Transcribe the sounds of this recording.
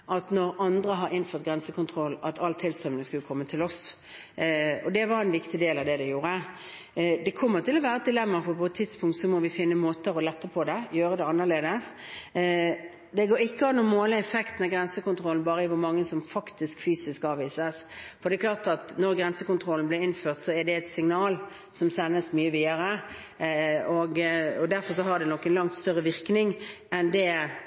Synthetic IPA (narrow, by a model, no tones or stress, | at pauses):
ʔɑt̪nɔɾɑnd̪ɾəɦɑɾɪnføːʁt̪̚ɡɾɛnsəkʰʊnt̪ʰʁɾɔlːɑt̪ʰɑlːt̪ʰɪlst̪œmnɪŋskʉlkʰɔmːət̪ʰɪlɔs | ɔd̪ɛʋɑɾɛnʋɪkt̪ɪd̪eːlɑʋd̪ɛd̪ɛjuːɾə | d̪ɛkʰɔmːəʁt̪ʰɪlɔʋæːɾəɛt̪̚d̪ɪlɛmːɑɾfɔpʰɔɛt̪ʰːɪd̪spʰʊŋkt̪sɔmɔʋɪfɪnːəmoːt̪əɾɔlɛt̪ːəʁpʰɔd̪ɛjøːɾəd̪ɛɑnːəʁleːd̪əs | d̪ɛɡoːɾɪkːəɑnːɔmoːləɛfɛkt̪n̩ɑɡɾɛnsəkʊnt̪ʰɾɔln̩bɑːɾəɪʋʊɾmɑŋːəsɔmfɑkt̪ɪskfyːsɪskɑːʋiːsəsfɔɾd̪ɛɛklɑːʁt̪ɑt̪nɔɾɡɾɛnsəkʊnt̪ʰɾɔln̩blɪɾɪnføːɾt̪sɔɛdɛɛt̪sɪŋnɑːl | sɔmsɛnːəsmyːəʋiːd̪əɾə | ɔɡɔd̪æɾfɔɾʂɔɦɑd̪ɛnɔkːənlɑŋt̪st̪œɾːəʋɪɾknɪŋɛnd̪ɛ